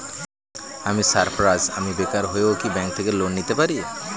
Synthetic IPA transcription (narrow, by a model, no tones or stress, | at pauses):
amisaɾpʰɾaza̰mibekaɾɦojewkibɛŋk̚t̪ʰekelonnːit̪epaɾi